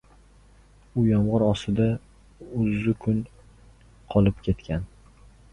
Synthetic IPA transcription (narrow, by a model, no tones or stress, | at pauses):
ʊjɒmʁɑɾɒst̪ɪd̪a | ʊzːʊkʰʊn | qʰɒlˠɪpkʲʰe̞t̪kʲʰan